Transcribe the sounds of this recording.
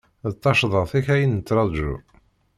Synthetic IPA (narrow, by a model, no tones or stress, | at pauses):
ðt̪ˤːɑʃðˤəʁθiçæjinət͡sːɾˤɑðˤʒṵ